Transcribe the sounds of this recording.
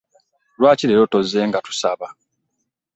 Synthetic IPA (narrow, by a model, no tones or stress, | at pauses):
lwaːciɾeɾo̞to̞ze̞ːŋɡatu̥saβa